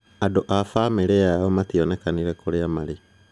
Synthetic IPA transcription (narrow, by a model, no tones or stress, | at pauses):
adoʔafameɾeajɔmationekaniɾekoɾeamaɾe